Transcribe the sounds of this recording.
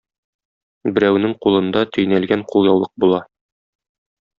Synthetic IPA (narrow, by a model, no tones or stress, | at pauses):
bɘ̆ɾæwnɘŋqulˠɤ̆nd̪ɑt̪ɵ̆jnælɡæɴqulˠjɒwlˠɤq̚bulˠɑ